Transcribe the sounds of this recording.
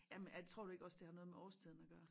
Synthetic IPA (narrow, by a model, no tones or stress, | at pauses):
jæmenjæd̥et͡sʰʁo̰d̥ue̝ɡ̥ɒ̽sd̥ehɑ̈nɔ̽ːð̩ˠmeɒːst͡sʰið̞ˠn̩æɡ̥ɶɐ